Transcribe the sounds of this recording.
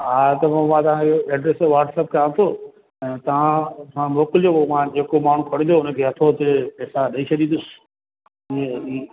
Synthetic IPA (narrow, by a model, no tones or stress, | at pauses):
ɦaːt̪ɐmãmãt̪ɐʋãɪɦoɛːɖɾeːsʋaːɾʈsep̚kɐãːt̪ʰoː | ɛ̃ːt̪ɐʋ̤ãsãmoːkɪld͡ʑomãd͡ʑeːkomaːɳ̤ũkʰɐɽ̃ĩn̆d̪oʊnə̆kʰeːɦɐt̪ʰot̪eeːsaɗɐit͡ɕʰɐɗ̪ĩnd̪ʊs | iei